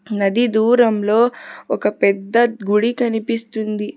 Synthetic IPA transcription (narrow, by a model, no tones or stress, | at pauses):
nɐd̪id̪uːɾɐmlo̞ːɔkɐpɛd̪ːɐɡuɽikɐnipist̪und̪i